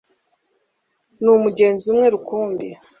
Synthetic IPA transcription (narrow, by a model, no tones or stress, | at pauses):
numuɟe̞ːnziumŋe̞ɾukuːmbe